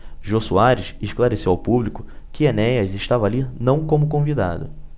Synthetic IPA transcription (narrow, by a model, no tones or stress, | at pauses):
ʒosuaɾɪʃeʃklaɾesewawpublikʊ | kɪenɛjɐzɪʃt̪avaːlinɐ̃w̃kõmʊkõvid̪a̰d̪ʊ̰